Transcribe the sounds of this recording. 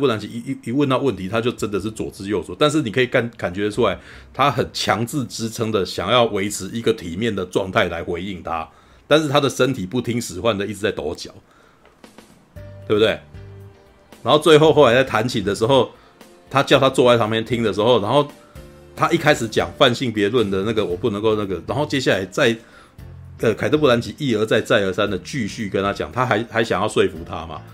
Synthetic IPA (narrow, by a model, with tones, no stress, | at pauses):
pu˥˩na˨˥nt͡ɕʰi˨˩˨i˧˥wə˥˧nt̪ɑ˥˧ʊwə˥˩nt̪ʰi˨˥t̪ʰa˦t͡ɕjo˥˩ʊʈ͡ʂə˦nd̪ə˨ʂ̬ɻ̩˥˩t͡swɔ̰˨˩t͡sɹ̩˧˥jo˥˩ʊt͡swɔ˨˦t̪a˥˧nʂ̬̩˥˩ni˨˩kʰɤ˧˥i˨˩ka˥˩nka˨˩nt͡ɕɥɛ˧˥˧u˦la˧˦ɪt̪ʰa˦xə˨˩nt͡ɕʰjɑ˧˦˥ŋt͡sɹ̩˥˨ʈ͡ʂɻ̩˥ʈ͡ʂʰɤ˧˥ŋd̪ə˨ɕjɑ˨˩ŋjɑ˥˩ʊwe˧˥ɪʈ͡ʂʰɻ̩˧˥i˧˦˥ɡə˨t̪ʰi˨˩mjɛ˥˨nd̪ə˩ʈ͡ʂwɑ˥˧ŋt̪ʰa˥˩ɪla˧˦˥ɪxwe˧˥ɪi˥˩ŋt̪ʰa̰˦ | t̪a˥˧nʂ̬ɻ̩˥˩t̪ʰa˥d̪ə˨ʂə˦˥nt̪ʰi˨˩pu˥˩t̪ʰi˦ŋʂɻ̩˨˩xwa˥˩nd̪ə˨i˥˩ʈ͡ʂɻ̩˨˩t͡sa˥˩ɪt̪o˧˦t͡ɕjɑ̰˨˩˦ʊ | t̪we˥˩bt̪we˥˩ɪ | na˧˥nxo˥˧t͡swe˥˧ɪxo˥˧ʊxo˥˩ʊla˧ɪt͡sa˥˩ɪt̪ʰa˧˥nt͡ɕʰi˨˩d̪ə˩ʂɻ̩˧˥xo˥˩ʊ | t̪ʰa˦˥t͡ɕjɑ˥˧ʊt̪ʰa˦˥t͡swɔ˥˧wa˥˩ɪsʰɑ˥ŋpjɛ˥nt̪ʰi˦˥ŋd̪ə˨ʂ̬ɻ̩˧˥xo˥˩ʊna˧˥nxo˥˩ʊ | t̪ʰa˦˥ʔi˥˩kʰa˥ɪʂɻ̩˨˦t͡ɕjɑ̰˨˩ŋfa˥˧nɕi˥˩ŋpjɛ˧˥lwə˥˩nd̪ə˩na˥˩ɡə˩wɔ˨˩pu˥˩nə˧˦ŋko˥˧na˥˩ɡə˩na˨˧˥nxo˥˩ʊt͡ɕjɛ˦ɕja˥˩la˧˥ɪt͡sa˥˩ɪ | ə˨˩kʰa˨ɪt̪ʰɤ˥˧p̬u˥˩a˧˦nt͡ɕʰi˨˦ʔi˥˩ə˧˥t͡sa˥˧ɪt͡sa˥˩ɪə˧˥sa˦˥nd̪ə˨t͡ɕy˥˧ɕy˥˩kə˥˦nt̪ʰa˥t͡ɕjɑ˨˩ŋt̪ʰa˦xa˧˥ɪxa˧˥ɪɕjɑ˨˩ŋjɑ˥ʊswe˥˩ɪfu˧˦t̪ʰa̰˦ma̰˨